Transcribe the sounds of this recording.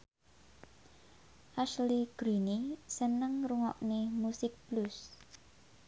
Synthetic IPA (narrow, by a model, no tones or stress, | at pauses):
ʔasliɡ̥ɾinisənəŋruŋɔʔnemusɪk̚b̥lus